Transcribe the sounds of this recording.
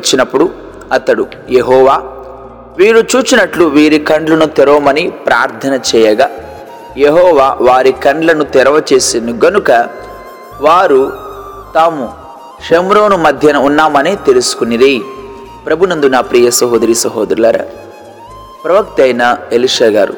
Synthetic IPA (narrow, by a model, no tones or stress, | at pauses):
ɐt͡ʃːinɐpːuɽu | ɐt̪ɐɽu | jeɦɔːʋaː | ʋiːɾut͡ʃuːt͡ʃinɐʈluʋiːɾikɐɳɖlɐnut̪ɛɾoːmɐnipɾaːɾt̪ʰɐnɐt͡ʃɛːjɐɡaː | jeɦɔːʋaːʋaːɾikɐɳɖlɐnut̪ɛɾɐʋɐt͡ʃeːsind̪uɡɐnukɐ | ʋaːɾu | t̪aːmu | ʂemɾo̞ːnumɐd̪ʱjɐnɐunːaːmɐnit̪elusu̥kuniɾi | pɾɐbʱunɐnd̪unaːpɾiːjɐsɐɦoːd̪ɐɾiːsɐɦoːd̪ɐɾulɐːɾɐ̰ | pɾɐʋɐk̚t̪ɐjnɐeliʂaːɡa̰ːɾṵ